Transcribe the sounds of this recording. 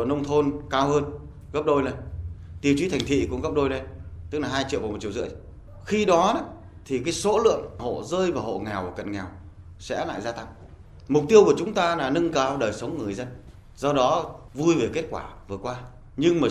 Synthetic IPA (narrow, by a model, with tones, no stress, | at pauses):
nə˧wŋ͡mt̪ʰo˧nkaː˧whəː˧n | ɣə˦˥p̚ɗo˧jnə˨˧˩j | t̪i˧˩˨t͡ɕwi˨˦t̪ʰa˨˩ŋ̟t̪ʰḭ˧˨kʊ̰˧˥ŋ͡mɣə˦˥p̚ɗo˧jne˧˩jt̪ɨ˦˥k̚laː˨˩ɦaː˧jt͡ɕḭ˧˨vaː˨˩m˨˩t̚t͡ɕi˧˩əwzɨ̰˧˥ə | xi˧ɗɔ˨˦ɗɔ˨˦ | t̪ʰi˨˩kaː˨˦jso̰˧˥lɨ̰˧˨əŋho̰˧˨zəː˧jvaː˨˩ho̰˧˨ŋɛ˨˩wvaː˨˩kə̰˧˨nŋɛ˨˩w | sɛ̰˧˥la̰ː˧˨jzaː˧t̪a˧ŋ | mʊ˨˩k͡p̚t̪i˧əwku˧˩ət͡ɕʊ˨˦ŋ͡mt̪aː˧laː˨˩nɨ˧ŋkaː˨˦wɗəː˨˩jsə˨˦wŋ͡mŋɨ˨˩əjzə˧n | zɔ˧ɗɔ˨˦vu˧jve˨˩ke˦˥t̚kwa̰ː˧˩vɨ˨˩əkwaː˧ | ɲɨ˧ŋmaː˨˩